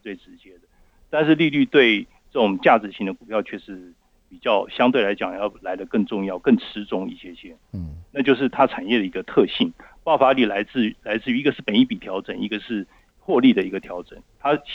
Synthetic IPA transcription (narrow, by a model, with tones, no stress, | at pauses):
t͡swe˥˩ɪʈ͡ʂɻ̩˧˥t͡ɕjɛ˥d̪ə˨ | t̪a˥˧nʂɻ̩˥˧li˥˧ly˥˧t̪we˥˧ɪ | ʈ͡ʂɤ˥˩ʈ͡ʂʊ˨˩ŋt͡ɕja˥˩ʈ͡ʂɻ̩˧˥ɕi˥˩ŋd̪ə˨˩ku˨˩pʰjɑ˥˧ʊt͡ɕʰɥɛ˥˩ʂɻ̩˥˧˥ | pi˨˩t͡ɕjɑ˥˩ʊɕjɑ˥ŋt̪we˥˩ɪla˧˥ɪt͡ɕjɑ˨˩ŋjɑ˥˩ʊla˧˥ɪd̪ə˧kə˥˧ŋʈ͡ʂʊ˥˧ŋjɑ˥˩ʊkə˥˩ŋʈ͡ʂʰɻ̩˧˥ʈ͡ʂʊ˥ŋi˥˩ɕjɛ˥i˩ɕjɛ˥ | na˥˧t͡ɕjo˥˧ʊʂ̬ɻ̩˥˩t̪ʰa˥ʈ͡ʂʰa˨˩njɛ˥˩ɾə˩i˧˥ɡə˧t̪ʰɤ˥˧ɕi˥˩ŋpɑ˥˩ʊfa˧˥li˨˩la˧˥ɪt͡sɹ̩˥˩˧la˧˥ɪt͡sɹ̩˥˩y˧i˥ɡə˧ʂɻ̩˥˩pə˨˩ni˥˩pi˨˩t̪ʰjɑ˧˥ʊʈ͡ʂə˨˩ni˥ɡə˨ʂɻ̩˥˧ | xwɔ˥˧li˥˩d̪ə˩i˧˥ɡə˧t̪ʰjɑ˧˥ʊʈ͡ʂə˨˩˦nt̪ʰa˥